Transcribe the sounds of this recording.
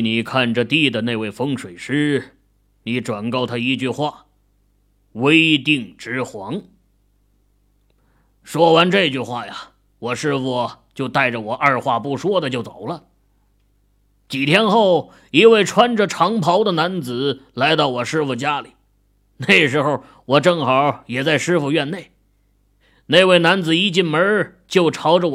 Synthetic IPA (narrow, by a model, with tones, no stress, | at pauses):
ni˨˩kʰa˥˩nʈ͡ʂə˩t̪i˥˩d̪ə˨ne˥˧ɪwe˥˩ɪfɤ˥ŋʂwe˨˩ɪʂɻ̩˥ | ni˧˥ʈ͡ʂwa˨˩nkɑ˥˩ʊt̪ʰa˥i˧˥t͡ɕy˥˧xwa˥˩ | we˥ɪt̪i˥˩ŋʈ͡ʂɻ̩˥xwɑ˧˥ŋ | ʂwɔ˥wa˧˥nʈ͡ʂɤ˥˧t͡ɕy˥˧xwa˥˩ja˨˩ | wɔ˨˩ʂɻ̩˥˧fu˧˩t͡ɕjo˥˧ʊt̪a˥˩ɪʈ͡ʂə˩wɔ˨˩ʔɐ˞˥˧xwa˥˩pu˥˩ʂwɔ˥d̪ə˨t͡ɕjo˥˩ʊt͡so˨˩ʊlə˦ | t͡ɕi˨˩t̪ʰjɛ˥nxo˥˩ʊ | i˧˥we˥˩ɪʈ͡ʂʰwa˥nʈ͡ʂə˨ʈ͡ʂʰɑ˧˥ŋpʰɑ˧˥ʊd̪ə˨na˧˥nt͡sɹ̩˨˩˦la˧˥ɪt̪ɑ˥˩ʊwɔ˨˩ʂɻ̩˥fu˨˩t͡ɕja˥li˨˩˦ | ne˥˩ɪɡʂɻ̩˧˥xo˥˧ʊ | wɔ˨˩ʈ͡ʂɤ˥˩ŋxɑ˨˧˥jɛ˨˩t͡sa˥˧ɪʂɻ̩˥fu˧ɥɛ˥˧nne˥˩ɪ | ne˥˧ɪwe˥˩ɪna˧˥nd͡zɹ̩˨˩i˥t͡ɕi˥˩nmə˞˧˥ | t͡ɕjo˥˩ʊʈ͡ʂʰɑ˧˥ʊʈ͡ʂə˧w